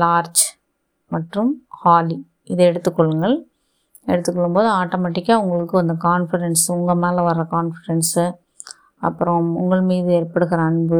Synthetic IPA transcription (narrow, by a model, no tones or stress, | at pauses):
laːɾt͡ʃ | mɐʈrɯmhaːli | ɪðɐɛɽɯt̪ːɯkːɔɭːɯŋɡɐɭ | ɛɽɯt̪ːɯkːɔɭːɯmpoːðɯaːʈːoːmɐːʈːɪkːaːʊŋɡɐɭɯkːɯɐnd̪ɐkaːnfɪɖɛnsʊŋɡɐmaːlɐʋɐɾːɐkaːnfɪɽɛnsɯ | ɐ̰pːɯɾɐ̃ʊ̰ŋɡɐɭmiːðɯɛːɾpɐɽɯɣɪɾãːnbo